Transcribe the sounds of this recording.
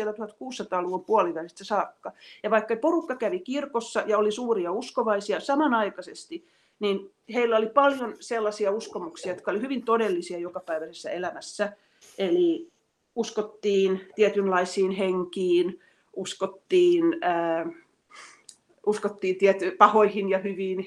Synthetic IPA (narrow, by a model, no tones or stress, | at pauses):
elːæt̪uhɑt̪kuːsːɑt̪ɑːluʋompuɑliʋænist̪ːæsɑːkːɑjɑʋɑikːɑporukːɑkæʋikirkosːɑjɑolisuːriɑuskoʋɑisiɑsɑmɑnɑikɑsest̪i | nin | heilːæolipɑljonselːɑsiɑuskomuksiɑjot̪̚kɑolihyʋint̪odelːisiɑjokɑpæiʋæsesːæelæmæsːæ | ʔeli | uskot̪ːiːnt̪iɛt̪ynlɑisiːnheŋkiːn | ʔuskot̪ːiːnəː | uskot̪ːiːnt̪iɛt̪ypɑhoihinjɑhyʋiːn